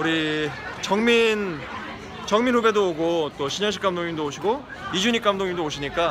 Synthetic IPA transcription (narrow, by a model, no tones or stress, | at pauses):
uɾit͡ɕʌŋmin | t͡ɕʌŋminube̞dooɡot͈oɕʰiɲʌnɕ̬ʰik͈amdoŋɲiŋndooɕʰiɡo | id͡ʑuɲik͈amdoŋɲiŋdooɕʰiɲik͈a